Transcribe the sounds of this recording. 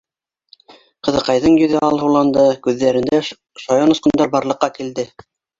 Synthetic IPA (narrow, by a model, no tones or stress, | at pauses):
qɤ̆ðɤ̆qɑjðɤɴjɵ̆ðɘɑlˠhulˠɑnd̪ɤkʉðːæɾɘ̆nd̪æ | ʃɑjɑnŏsqɤ̆nd̪ɑɾbɑɾlˠɤ̆qːɑkild̪ɘ